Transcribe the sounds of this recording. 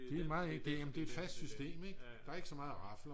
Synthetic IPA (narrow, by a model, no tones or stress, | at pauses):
d̥emɑ̈ːð̩ˠeŋd̥e̝jæmn̩d̥e̝æed̥fæsd̥sysd̥e̝̰ːmeɡ̥d̥ɑ̈æɐe̝ɡ̥əsɒ̽mɑ̈ːð̞̩ˠʁɑ̈flɐ